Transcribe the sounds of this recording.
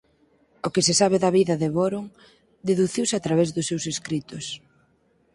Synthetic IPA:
ʊkɪsɪsaβɪðɐβiðɐðeβoɾoŋ | d̪eðuθiwsɪat̪ɾaβezðʊsːewseskɾit̪ʊs

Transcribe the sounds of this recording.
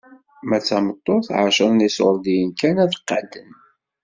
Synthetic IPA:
mæt͡sːæmət̪ˤːoθʕa̰ʃəðnisoɾˤd̪ijənkænæðqːad̪ən

